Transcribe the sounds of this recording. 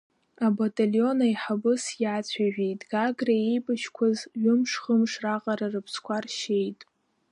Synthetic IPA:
abatʼaljo̞najħabɨsjaːt͡sʷʰaʒᶣejtʼɡaɡraejbʼaʃkʷʰazɥʊmʂχəmʂraqʼaɾarɨpʰskʷʰarʃe̞jtʼ

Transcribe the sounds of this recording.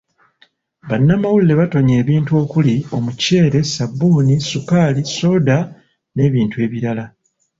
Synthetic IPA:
βanːamawulːe̞βato̞ɲe̞ːβiːntuo̞ːkulio̞muce̞ːɾe̞sabːuːnisukaːliso̞ːda | ne̞ːβiːntue̞ːβiɾala

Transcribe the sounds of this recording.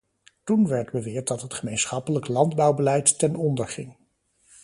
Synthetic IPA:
tunʋɛɹdbəʋɪːɹt̚dɑtɦətχəmejnsχɑpələklɑndbɑwbəlɛjtːɛnɔndəɹχɪŋ

